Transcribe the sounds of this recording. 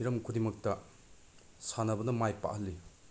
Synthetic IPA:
iɾɐmkʰudimɐk̚tɐ | sanɐbɐnɐmajpa̰ʔhɐlːi

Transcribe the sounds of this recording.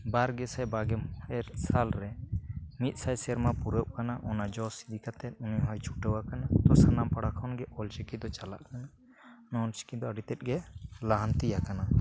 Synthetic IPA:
baɾɡɛsɛjbaɡɛɛɾsalɾɛmit̪̚ˀsajsɛɾmapuɾəp̚kanaʔɔnad͡ʒɔsi̥d̪ʱikat̪ɛt̪̚ˀuniɦɔjt͡ʃʰu̥ʈəwakanat̪ɔsanampaɽakʰɔnɡɛʔɔlt͡ʃikid̪ɔt͡ʃala̰ʔkana | nɔlt͡ʃi̥kid̪ɔəɖit̪ɛt̪̚ˀɡɛlaɦant̪ijakana

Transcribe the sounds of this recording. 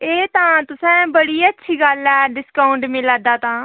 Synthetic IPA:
eːt̪ãːt̪ʊsɛ̃ːbəɽiːətːʃʰiːɡəlɛːɖɪskaːʊɳɖmɪlad̪aːt̪ãː

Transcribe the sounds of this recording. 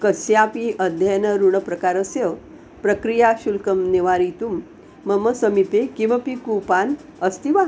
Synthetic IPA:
kəsjapiʔəd̪ʱjanəɾuɳ̃əpɾəkaɾəsjə | pɾəkɾijaɕulkəmneʋaɾit̪umː | əməsəmipekĩʋapikupan | əst̪iʋa

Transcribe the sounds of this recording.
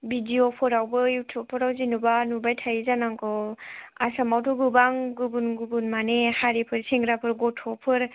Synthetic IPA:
bidiopʰɯɾawbɯjutʰupʰːɔɾawzinubanubajtʰajizanaŋkʰɔasamawtʰɔɡubaŋɡubunɡubunmanehaɾipʰɯɾsiŋɡɾapʰɯɾɡɔtʰɔpʰɯɾ

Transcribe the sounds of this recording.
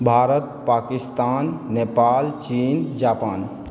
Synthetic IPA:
bʱaːɾət̪̚paːkɪst̪aːnːepaːlt͡ʃiːnd͡ʒaːpaːn

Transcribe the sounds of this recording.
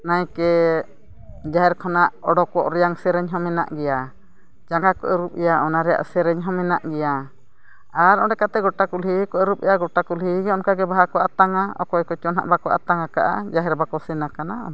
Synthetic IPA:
najkɛ | d͡ʒaɦɛɾkʰɔnaʔɔɖɔkɔʔɾɛjaŋsɛɾɛɲɦɔmɛna̰ʔɡɛja | d͡ʒaŋɡakɔʔəɾup̚ɛjaɔnaɾɛja̰ʔsɛɾɛɲɦɔmɛnaʔɡɛja | aɾɔɖɛkat̪ɛɡɔʈakulikɔəɾup̚ɛjaɡɔʈakulɦiɡɛɔnkaɡɛbaɦakɔʔat̪aŋaɔ̰kɔjkɔt͡ʃɔna̰ʔbakɔʔa̰t̪aŋaka̰ʔa̰d͡ʒaɦɛɾbakɔsɛnakanaɔ

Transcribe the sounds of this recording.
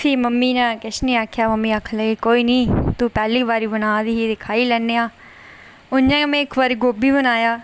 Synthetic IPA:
siːməmːiːnaːkɪʃnĩːaːkʰjaːməmːiːaːkʰləɡeːkoːiːnĩːt̪uːpɛːliːʋaːɾiːbənaːd̪iːɦid̪ɪkʰaːiːlɛːnːeːaː | ʊnjãːmẽːɪkʋəɾiɡoːbiːbənaːjaː

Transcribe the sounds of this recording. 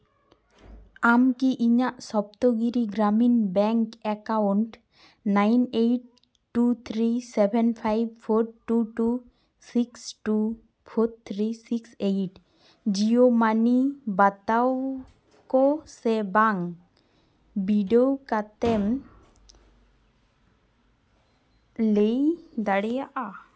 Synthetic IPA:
amkiʔiɲaʔsɔp̚t̪oɡiɾiɡɾaminbɛŋkɛkawɳʈ | najnejʈ̚ | ʈut̪ʰɾisɛbʱenpʰajb̚pʰoɾʈuʈu | siksʈu | pʰot̪ʰɾisiksejʈ | d͡ʒijomanibat̪aw | kɔsɛbaŋ | biɖowkat̪ɛm | lejd̪aɽɛjaʔa

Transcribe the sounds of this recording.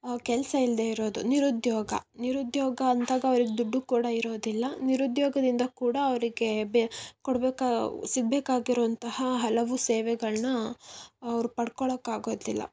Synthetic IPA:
kɛlɐsɐild̪eːiɾo̞ːd̪uniɾud̪jɔːɡɐ̰niɾud̪jɔːɡɐːnd̪aːɡɐːɐʋɐɾiɡed̪uɖːukuːɽɐiɾoːd̪ilːɐniɾud̪jɔːɡɐd̪ind̪ɐkuːɽɐːʋɐɾiɡe̞bkɔɽbɛːkasiɡ̚beːkaːɡiɾoːɐnt̪ɐhɐɦɐlɐʋuseːʋɛɡɐɭnɐ | ɐʋɐɾupɐɽkɔɭɐkːaːɡo̞ːd̪ilːɐ̰

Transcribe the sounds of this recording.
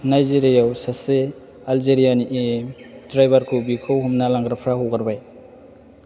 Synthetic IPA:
najzeɾijawsase | ald͡ʒeɾijaniʔedɾajbaɾkʰubikʰowɦumnalaŋɡɾapʰɾaɦowɡaɾbaj

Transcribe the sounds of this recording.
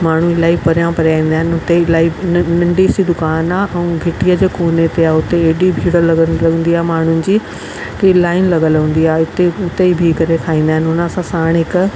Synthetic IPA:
maːɳ̤uɪlaːipɐɾjãpɐɾjaːĩːn̆d̪aːɦɪnɪʊt̪elaːinɐ̃ɳɖisid̪ʊkaːnaːʔɛ̃ũɡʱeʈiəd͡ʑeːkoːnet̪eaːɦʊt̪eeːɗibʱiːɽəɾlɐɡəlɐɠə̃nd̪iaːemaːɳ̤ʊnɪ̆d͡ʑiː | t̪ilaːɪnlɐɠəlɦũːn̆d̪iaːɦʊt̪eʊt̪eibʱikɐɾet̪ʰaːĩːn̆d̪aːɦɪnɪʊnəɐsãsaːɽ̃ɦɪk

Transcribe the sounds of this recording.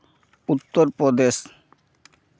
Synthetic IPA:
ut̪ːoɾpɾod̪eʃ

